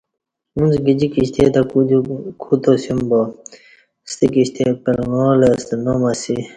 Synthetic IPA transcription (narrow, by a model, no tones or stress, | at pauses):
unsɡid͡ʑikiɕt̪et̪akuukʰut̪osimbo | st̪ikiɕt̪epelŋoːlest̪nomɐsi